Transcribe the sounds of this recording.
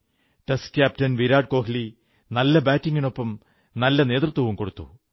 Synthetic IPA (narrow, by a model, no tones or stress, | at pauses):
ʈeskʲaːp̚tɐnʋiɾaːɖ̚ko̞ːɦili | nɐlːɐbaːtːiŋɡino̞pːɐm | nɐlːɐne̞ːt̪rɨt̪ːwɐʋumko̞ɽut̪ːṵ